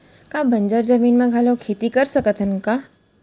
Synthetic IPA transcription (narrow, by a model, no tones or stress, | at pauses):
kabə̃nd͡ʒəɾd͡ʒəmiːnmẽɡʱalokʰeːt̪ikəɾsəkət̪ʰənka